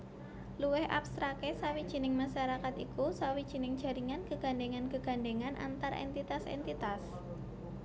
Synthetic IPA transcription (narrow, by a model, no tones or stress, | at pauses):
luwɪhʔa̰pst̪ɾakesawid̥ʒ̥i̤nɪŋmaʃaɾakat̪ikusawid̥ʒ̥i̤nɪŋd̥ʒ̥a̤ɾiŋankəɡ̥a̤ɳɖeŋankəɡ̥a̤ɳɖeŋanʔa̰nt̪arɛ̰nt̪it̪asɛ̰nt̪it̪as